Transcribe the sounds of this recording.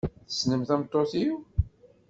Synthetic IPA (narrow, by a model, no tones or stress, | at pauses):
θə̥snəmθæmt̪ˤːoθi